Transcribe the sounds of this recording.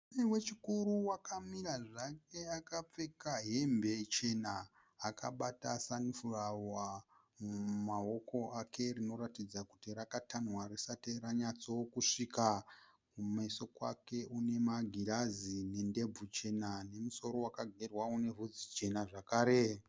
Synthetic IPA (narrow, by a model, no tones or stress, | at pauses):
newe̞t͡ʃikuɾuwakamiɾaʐake̞akap͡fe̞kaɦe̞mbe̞t͡ʃe̞naː | kaɓatasanufurawa | mumaokʰo̞ʔakʰe̞rino̞ɾatid͡zakutirakatanwarisateɾaɲat͡sokuʂika | mumeso̞kwa̰ke̞ʔune̞maɡʱiɾazine̞nde̞b͡vut͡ʃe̞nane̞muso̞ɾo̞wakaɡʱerwaune̞ɦud͡zit͡ʃe̞naʐakaːɾe